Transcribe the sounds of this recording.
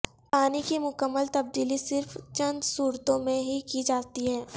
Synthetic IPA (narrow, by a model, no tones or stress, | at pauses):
paːnikimʊkəmːəlt̪ɐb̚d̪iːlisɪɾft͡ʃɐ̃nd̪suːɾt̪õmẽɦikid͡ʒaːt̪iɦɛː